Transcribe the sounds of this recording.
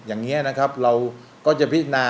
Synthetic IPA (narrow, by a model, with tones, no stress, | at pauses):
jaː˨˩ŋi˦˥ɐna˦˥kʰa˦˥p̚ɾa˧w | kɔː˥˩t͡ɕa˨˩pʰi˦˥t̪̚naː˧